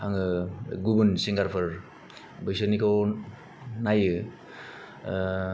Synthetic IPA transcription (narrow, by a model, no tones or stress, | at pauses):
aŋɯɡubunsiŋɡaɾpʰɯɾ | bɯjsɯnikow | najɯ